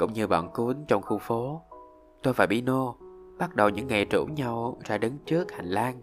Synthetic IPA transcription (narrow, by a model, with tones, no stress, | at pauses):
kʊ̰˧˥wŋ͡mɲɨ˧ɓɔ̰ː˧˨nku˨˦nt͡ɕɔ˧wŋ͡mxu˧ŋ͡mfo˨˦ | t̪o˧jfaː˧˩jɓḭ˧˥no˧ɓa˦˥t̚ɗə˨˩wɲɨ̰˧˥ŋːa˨˩jt͡ɕṵ˧˩ɲa˧wzaː˧ɗə˨˦nt͡ɕɨ˦˥ək̚ha˨˩jŋ̟laː˧n